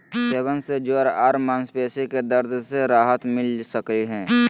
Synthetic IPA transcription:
seːbənsed͡ʒoːɾaːɾmanspeːseked̪əɾd̪ʱseɾaːɦət̪mɪlsəkiɦɛ̃ː

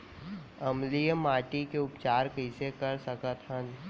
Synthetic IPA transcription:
ɐmlijəmaːʈikeʊpt͡ʃaːɾkəɪsekəɾsəkət̪ɦən

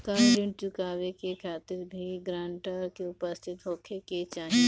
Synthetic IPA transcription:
kaɾeɖɪ̃ɳʈ̚t͡ʃʊkaːʋekekʰaːt̪ɪɾbʱiɡɾãːɳʈəkeʊpəst̪ʰɪt̪ɦoːkʰeket͡ʃaːni

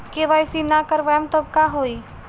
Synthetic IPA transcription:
keʋaːjsinakəɾʋajemt̪əb̚kaɦoːiː

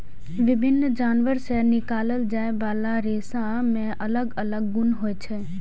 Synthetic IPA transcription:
ʋɪbʱɪnːd͡ʒaːnʋəɾsenɪkaːləld͡ʒaːebaːlaɾeːsã | mẽʔɐləɡələɡːʊnɦoːet͡ʃʰɛ

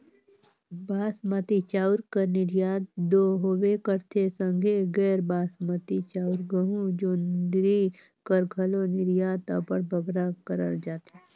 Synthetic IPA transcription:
baːsmət̪it͡ʃaːʊɾkanɪɾjaːt̪̚d̪oːɦoʋekəɾt̪ʰesə̃ŋɡʱeɡɛːɾbaːsmət̪it͡ʃaːʊɾɡəɦũd͡ʒoːnɾi | kəɾɡʰʱɐlonɪɾjaːt̪apəɽbʱɐɡɾakəɾə̰ɾd͡ʒaːt̪iː

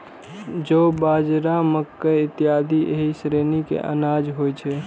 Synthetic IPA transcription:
d͡ʒobaːd͡ʒɾaməkːəɪt̪ːiad̪iʔḛɦisɾenikḛʔə̰naːd͡ʒɦojt͡ʃʰɛ

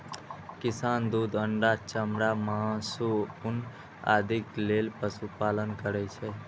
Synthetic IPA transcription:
kisand̪ud̪əɳɖat͡ʃəmɾamãsuun | a̰d̪ʱiklelpəsupalənkəɾɛt͡ʃʰɛ

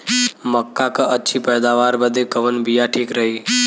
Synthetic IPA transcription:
məkːakaʔətːʃʰipɛːd̪aːʋaːɾbəd̪ekəʋənbijaʈʰiːkɾəɦiː

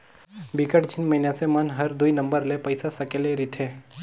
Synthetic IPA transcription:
bikəʈd͡ʒʰɪnməɦinasemənɦɐɾd̪uinɐ̃mbəɾlepɐɪsasɐkeleɾit̪ʰeː

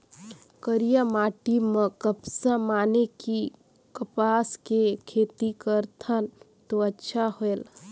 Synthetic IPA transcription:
kəɾijamaːʈimə̃kəpsamaːneki | kəpaːskekʰeːt̪ikəɾt̪ʰən | t̪oɐtːʃʰaɦoel

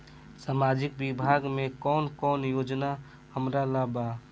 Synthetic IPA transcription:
saːmaːd͡ʒɪkbɪbʱaːɡmẽkɔːnkɔːnjoːd͡ʒna | həmɾalabaː

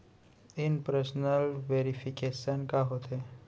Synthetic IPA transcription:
inpɾəsnəlʋeɾifikesənkaɦot̪e

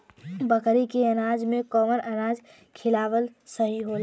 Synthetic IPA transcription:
bəkɾikeənaːd͡ʒmẽkɔːməɾʔənaːd͡ʒ | kʰɪlaːʋəlsəɦiɦoːl

